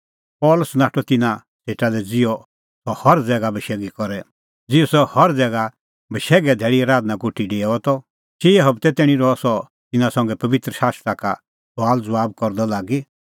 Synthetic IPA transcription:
pɔːlʊsnaːʈʰɔt̪ɪnã | sʰeːʈalɛd͡zɪɔ | ɔhɔɾd͡zɛːɡabʱɐʃɛːɡikɔɾɛ | d͡zɪɔsɔhɐɾd͡zɛːɡa | bʱɐʃɛːɡɛd̪ʱɛːɽiaːɾaːd̪nãkuʈʰːiɖeːɛɔt̪ɔ | t͡ʃiɛɦɐbt̪ɛt̪ɛːɽ̃ĩɾɔsɔ | t̪ɪnãsɐ̃ŋɡɛpɐʋɪt̪ɾəʃaːst̪ɾaka̰ | sʰaːld͡zʊʋaːb̚kɔɾd̪ɔlaːɡi

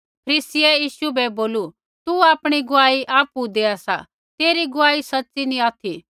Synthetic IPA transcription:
pʰəɾiːsiɛjiːʃubɛboːlu | t̪uaːpɽ̃iɡʊaːiʔaːpud̪eːasa̰ | t̪eːɾiɡʊaːisɐtːsinĩaːt̪ʰi

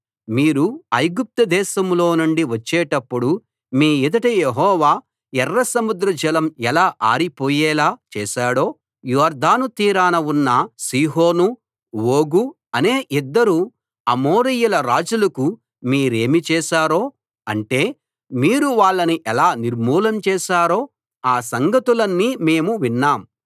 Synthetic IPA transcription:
miːɾuɐjɡup̚t̪ɐd̪ɛːʃɐmlo̞ːnuɳɖiʋɐt͡ʃːɛːʈɐpːuɽu | miːid̪ɐʈɐjeɦɔːʋaː | ɛrːɐsɐmud̪ɾɐd͡ʒɐlɐmɛlaːʔaːɾipoːjɛːlaːt͡ʃɛːʃaːɽo̞ː | jɔːɾd̪aːnut̪iːɾaːnɐunːɐsiːɦo̞ːnu | ʋoːɡu | ɐne̞ːʔid̪ːɐɾu | ɐmoːɾijulɐɾaːd͡ʒulɐku | miːɾe̞ːmit͡ʃɛːʃaːɾoː | ɐɳʈe̞ː | miːɾuʋaːɭːɐniʔɛlaːniɾmuːlɐmt͡ʃɛːʃaːɾo̞ː | aːsɐŋɡɐt̪ulɐnːiːme̞ːmuʋinːaːm

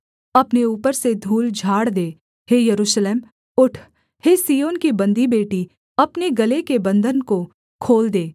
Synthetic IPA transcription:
ɐpneuːpəɾsed̪ʱuːld͡ʒʱaːɽd̪eː | hejɐɾuːʃleːm | ʊʈʰ | heːsiːjoːnkibɐ̃nd̪ʱibeːʈi | ɐpneɡɐlekebɐ̃nd̪ʱənko | kʰoːld̪eː

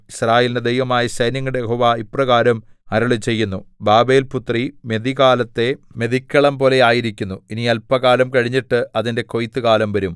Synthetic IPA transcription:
israːjeːlinded̪ejʋɐmaːjɐɕɐjnjɐŋːɐɽejeɦo̞ːʋaiprɐɣaːɾɐmɐɾɐɭɨt͡ɕe̞jːunːubaːbe̞ːlput̪rime̞ðiɣaːlɐt̪ːe̞me̞ðikʲːɐɭɐmpo̞ːle̞aːjiɾikʲːunːuiniɐlpːɐɣaːlɐmkɐɻiɲːiʈːɨɐðinde̞ko̞jt̪ːɨkaːlɐmʋɐɾum

